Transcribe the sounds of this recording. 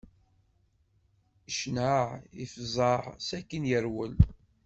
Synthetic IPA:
əʃnəʕifzˤɑʕsækːənjəɾwəl

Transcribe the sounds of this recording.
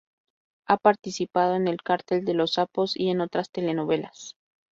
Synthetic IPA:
apaɾt̪isipað̞o̞ene̞lkaɾt̪eld̪e̞lo̞sapo̞sḭe̞no̞t̪ɾast̪e̞le̞no̞βe̞las

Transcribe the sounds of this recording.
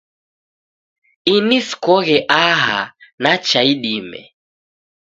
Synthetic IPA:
iniskɔɣɛʔaɦa̰nat͡ʃaiɗimɛ̰

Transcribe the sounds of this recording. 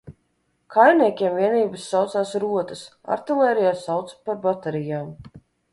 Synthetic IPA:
kʰajniɛkʲiɛmviɛniːbɨsːawt̪saːsɾuɔt̪əs | a̰ɾt̪ilˠɛːɾijaːsawt̪spaɾbat̪ɛɾijaːm

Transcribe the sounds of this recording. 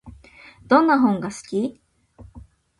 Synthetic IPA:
d̪̥õ̞nːaɦõ̞ŋɡasɨ̥kʲi

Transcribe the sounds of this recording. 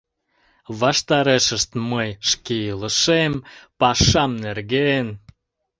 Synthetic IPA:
βɑʃt̪ɑɾeʃəʃt̪məjʃkiiləʃempɑʃɑmnerɣen

